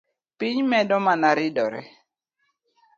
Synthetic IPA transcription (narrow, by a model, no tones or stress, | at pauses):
pɪɲmɛdɔmanaɾɪdɔɾɛ̰